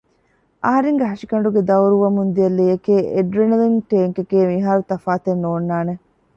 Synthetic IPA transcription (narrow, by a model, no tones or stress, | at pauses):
ʔɐɦɐɾeŋɡeɦɐʂikɐɳɖuɡed̪ɐwɾuʋɐmund̪iɐlːijɐkeːʔeɖɾenɐliŋʈeːŋkekeːmiɦaːɾut̪ɐfaːt̪enːoːnːaːne